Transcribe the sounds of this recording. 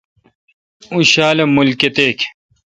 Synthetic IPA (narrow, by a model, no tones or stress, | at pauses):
uɕaːlemulket̪eːkʰ